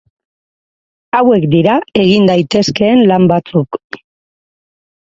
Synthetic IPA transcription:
awe̞kd̪iɾae̞ɣind̪ajt̪e̞ske̞ːnlambat͡suk

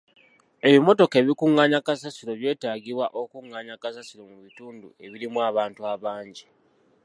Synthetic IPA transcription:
e̞βimo̞to̞keːβikuŋːaːɲakasasiɾo̞βje̞ːtaːɡiβwaʔo̞kuŋːaːɲakasasiɾo̞muβituːndṵe̞βiɾimwaːβaːntuaβaːɲɟi

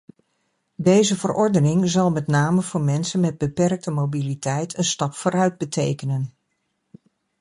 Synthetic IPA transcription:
dejzəvərɔɹdənɪŋzɑlˠmɛtnaːməv̥ʊːɹmɛnsənmɛd̚bəpɛrk̚təmowbilitɛjtʰənstɑpfʊːɾœɥd̚bətʰejkənən

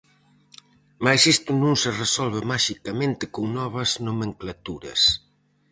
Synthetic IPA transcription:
majsist̪ʊnũŋseresɔlβɪmaʃikamẽnt̪ɪkoŋnɔβɐznomẽŋklat̪uɾɐ̰s

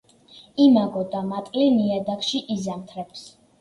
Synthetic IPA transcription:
imaɡɔd̪amat̪ʼliniad̪akʃiʔizamt̪ʰɾɛps

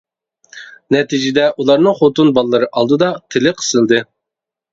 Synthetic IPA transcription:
nɛt̪ʰid͡ʒɪd̪ɛʔulˠɑɾnɨŋχot̪unbɑlˠlˠɨɾɨʔɑlˠd̪ɨd̪ɑt̪ʰɪlɪqʰə̥sɨlˠd̪ɨ

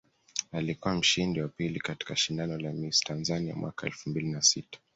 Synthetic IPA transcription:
alikuwam̩ʃindiwapilikati̥kaʃindanɔlamistanzania̰mwa̰kaɛ̰lfumbilinasitḁ

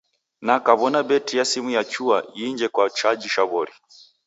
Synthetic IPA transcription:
nakaβɔnabɛtijasimujat͡ʃuajiɲd͡ʒɛkwat͡ʃad͡ʒiʃaβɔɾi

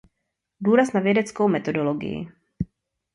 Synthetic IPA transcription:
duːɾasnavjɛdɛt͡skowmɛt̪o̞doloɡɪ̰jɪ̰

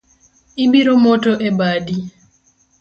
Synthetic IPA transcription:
ibiɾomotoʔebadi

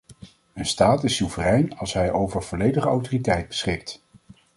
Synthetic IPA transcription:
ənstaːtɪsuvərɛjnɑ̰lˠsɦɛjʔowvəɹv̥ɔlejdəχəɑwtoritɛjt̚bəsχɪk̚t

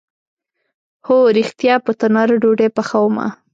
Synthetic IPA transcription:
hoɾixt̪jɑpət̪anɑɾɖoɖepaxawma̰

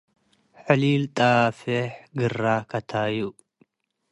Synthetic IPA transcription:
ħɨlilt̪ʼafɛħɡɨrːakʰɐt̪ʰaju

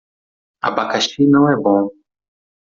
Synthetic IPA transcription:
a̰bakaʃinɐ̃w̃ɛbõ

